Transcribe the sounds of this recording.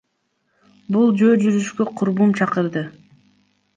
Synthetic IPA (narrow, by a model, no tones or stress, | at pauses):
bulˠd͡ʒøːd͡ʒyɾyʃkøqʰʊɾbumt͡ʃʰɑqɯɾd̪ɯ